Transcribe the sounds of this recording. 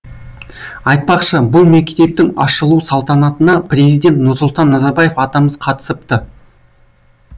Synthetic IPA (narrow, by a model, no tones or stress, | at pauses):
ɑjt̪̚pɑqʃəbʊlˠme̞kt̪e̞p̚t̪ɪŋɑ̰ʃəlˠusɑlˠt̪ɑnɑt̪ənɑprʲe̞zijd̪ʲe̞nt̪nʊɾsʊlˠt̪ɑnːɑzɑɾbɑje̞fɑt̪ɑməzqʰɑt̪ə̥səp̚t̪ə